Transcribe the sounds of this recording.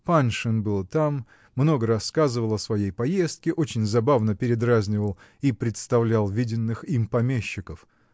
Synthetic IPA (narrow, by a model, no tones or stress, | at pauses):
panʂɨnbɨlˠt̪amː | no̞ɡəɾɐskazɨvəlˠɐsvɐjejpɐje̞st̪̚kʲɪʔo̞t͡ɕɪnʲzɐbavnəpʲɪɾʲɪd̪razʲnʲɪvəlˠ | ipɾʲɪt̪st̪ɐvlʲalˠvʲidʲɪnːɨximpɐmʲeɕːɪkəf